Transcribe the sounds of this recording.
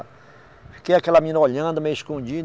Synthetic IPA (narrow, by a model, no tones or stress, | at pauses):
fi̥kejakɛlɐmĩnɐoʎɐ̃d̪ʊmejuiskõd͡ʒid̪